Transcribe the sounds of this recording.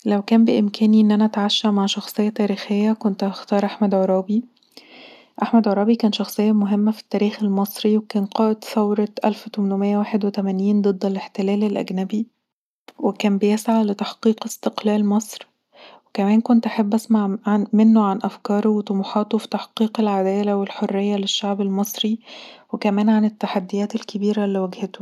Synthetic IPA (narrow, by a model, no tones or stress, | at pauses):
læwkæːmbeʔɪmkʰæːniʔenːʔænæʔæt̪ʕaʃːæʕmaʕʃɑxsˤejːɑt̪æːɾiːxejːækont̪ɑxt̪ɑːɾˤʔaħmæd̪ʕoɾˤɑːbi | ʔaħmæd̪ʕoɾˤɑːbikæːnʃɑxsˤejːɑmoɦemːæfi̥t̪ːæːɾiːxelmɑsˤɾiwekæːnqɑːʔet̪θɑwɾˤɑʔæ̰lft̪omnomejːæwaːħed̪wet̪æmæniːnd̪ˤɨd̪ˤːeleħt̪elæːlelʔæ̰ɡnæbi | wekæːmbejesʕalet̪aħqiːqest̪eqlæːlmɑsˤɾ | wekæmæːnkont̪ʔaħabːʔæsmaʕanmenːoʕanʔæfkɑːɾˤowet̪omuħɑːt̪ofi̥t̪aħqiːqelʕad̪æːlæwelħorːejːæleʃːaʕbelmɑsˤɾiwekæmæːnʕanet̪ːaħad̪ːejæːt̪elkebiːɾælːiwæɡhet̪o̥